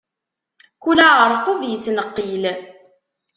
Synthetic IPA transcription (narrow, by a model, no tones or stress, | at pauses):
kulaʁəɾˤt̪ˤoðjət͡sːnəqːil